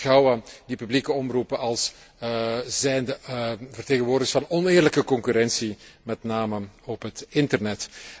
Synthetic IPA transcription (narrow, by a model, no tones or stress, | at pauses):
ɣɑwadipyblikəɔmrupəɑlˠs | zɛjndəvərteːɣənʋoːrdəɣəsfɑnɔnɪːrləkəkɔŋkyɾɛnsimɛtnaːməɔpɦətɪntərnɛt